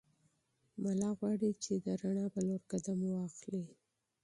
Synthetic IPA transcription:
malɑɣwɑɽit͡ʃed̪əɾaɳabaloɾkad̪amwɑxli

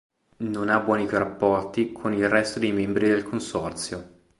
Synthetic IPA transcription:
nonabwɔːnikoɾapːɔrt̪ikʰonilrɛst̪od̪ejmembɾid̪elkʰonsɔrt̪sjo

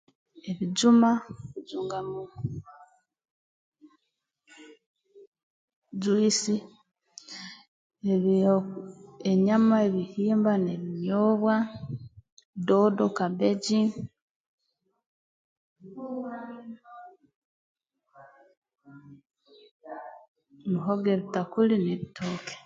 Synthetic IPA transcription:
eβiɟumaβid͡ʒuːŋɡamu | d͡ʒwisi | eβ | eɲamae̞βihiːmbaneβiɲoːβwa | doːdokabeɟi | muɦoɡeβitakulineβitʰoːke̥

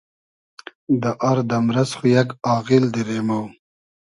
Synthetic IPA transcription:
d̪əʔaɾd̪amɾasχujaɡɑːɣild̪iɾemaw

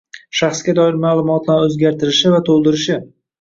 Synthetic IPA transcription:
ʃaχsɡʲad̪ɒɪɾmaːlˠʊmɒt̪laɾɵzɡʲaɾt̪ʰɪɾɪʃɪvat̪ʰolˠd̪ɪɾɪʃɪ

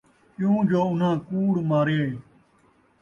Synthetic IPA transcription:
ɪjũːd͡ʒoːʊn̤ãːkuːɽmaːɾeː

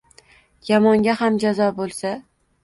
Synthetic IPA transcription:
jɒmɒŋɡʲahamd͡ʒazɒbolˠsa

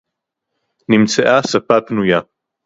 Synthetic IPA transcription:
nimt͡sʰaʔaːsapʰapʰnuja

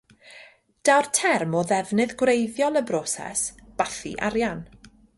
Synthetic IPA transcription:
d̥awrtʰɛrmɔðɛvnɨðɡwrejðjɔlˠəbrɔːsɛ̰sb̥aθḭʔaɾjan

